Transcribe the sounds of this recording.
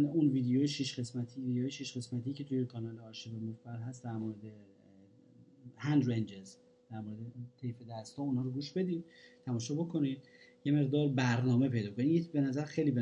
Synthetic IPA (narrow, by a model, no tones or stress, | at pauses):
unviːd̪ejojeʃiʃɡe̞smæt̪ʰiːvid̪eoːjeʃiːʃɡe̞smæt̪ʰiːcʰe̞t̪ʰujekʰɒːnɒːleɒːɾʃevemoffæɾɦæst̪d̪æɾmoɾed̪e | hænd̪ɾend͡ʒez | d̪̥æɾmoɾed̪et̪ʰejfed̪æst̪hɒːunhɒːɾoɡuʃbe̞d̪iːd̪t̪ʰæmɒːʃɒːbo̞kʰo̞nid̪̚je̞me̞ɣd̪ɒːɾbæɾnɒːme̞pʰe̞jd̪ɒːkʰonijebe̞næzæɾxejlibe